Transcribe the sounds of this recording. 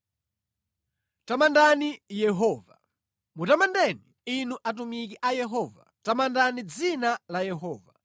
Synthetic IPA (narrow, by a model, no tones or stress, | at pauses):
tamandanijɛɦɔva | mutamandɛniːnuʔat̬umikiʔajɛɦɔːvatamandanid͡zinalajɛɦɔːva